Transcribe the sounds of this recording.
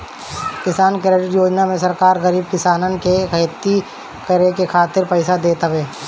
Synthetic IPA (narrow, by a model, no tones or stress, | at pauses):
kɪsaːnkeɾəɾiɾjoːd͡ʒnamẽsɐɾkaːɾɣɐɾiːb̚kɪsaːnənkekɐjt̪ːi | kɐɾekekʰaːt̪ɪɾpɛɪsad̪eːt̪aʋeː